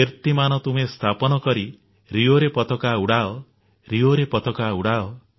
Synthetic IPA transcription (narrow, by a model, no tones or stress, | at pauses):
eɾt̪imanɔt̪umest̪ʰapɔnɔkɔɾi | ɾioɾepɔt̪ɔkauɽaɔ | ɾioɾepɔt̪ɔkauɽaɔ